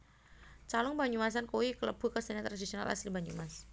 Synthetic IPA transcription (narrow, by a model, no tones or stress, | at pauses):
t͡ʃalɔŋbaɲumas̬ankowikələ̰b̥ukəsənat̪ɾadisiona̰lʔa̰slibaɲumas